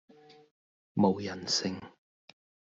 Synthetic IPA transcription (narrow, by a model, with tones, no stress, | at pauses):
mo˨wjɐ˨˩nsɪ˨ŋ